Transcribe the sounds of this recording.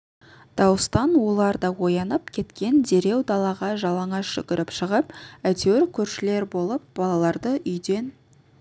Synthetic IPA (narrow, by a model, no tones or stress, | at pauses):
d̪̥ɑwəst̪ɑnwo̞lˠɑɾd̪ɑwo̞jɑnəpkʲʰe̞t̪kʲe̞nd̪e̞ɾe̞wd̪ɑlˠɑʁɑʒɑlˠɑɴɑʃʏ̰kʲɪɾɪpʃəʁəpæt̪ewɪɾkʲʰɵɾʃɪle̞ɾbo̞lˠəp̚b̥ɑlˠɑlˠɑɾd̪əʔʏjd̪e̞n